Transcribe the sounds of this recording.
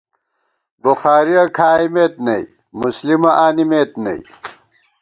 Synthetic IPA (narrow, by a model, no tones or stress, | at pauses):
buxaːɾiɐkʰaːjmeːt̪nɐj | muslimɐʔaːnimeːt̪nɐ̰ij